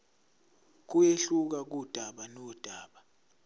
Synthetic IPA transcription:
k̬ueɬuk̬ak̬ud̥ʱaɓanɔd̥ʱaːɓa

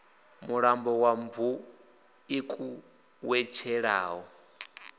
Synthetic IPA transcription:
muɺambɔwaɱvu | ikʼu | wɛt͡ʃʰɛɺa̰ːɦɔ

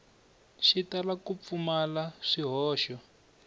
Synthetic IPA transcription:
ʃitalakup̪fumalaʂiɦɔːʃɔ

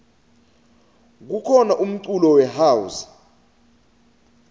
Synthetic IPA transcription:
k̬ukʰɔnaʔum̩tulɔwɛɦawus

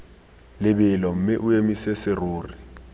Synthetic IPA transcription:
lɪbɪlɔm̩mɪʔʊemisesɪroːrɪ

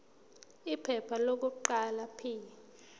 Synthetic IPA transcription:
ipʰɛpʰalok̬uǃalapʰiːjɛ

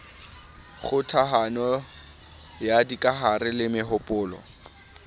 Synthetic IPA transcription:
χʊtʰaɦanɔ | jadikʼaɦarɪlɪmɪɦʊpʼʊːlɔ̰

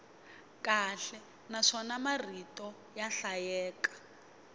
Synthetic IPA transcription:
kaɬɛ | naʂɔnamaritʼɔ | jaɬajɛːkḁ

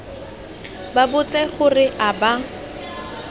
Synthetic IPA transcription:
babʊt͡sʼɛχʊrɪʔaba

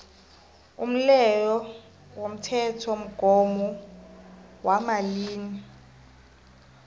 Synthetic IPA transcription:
um̩lɛjɔ | wom̩tʰɛtʰɔm̩ɡ̥ʱɔmɔ | wamaliːni

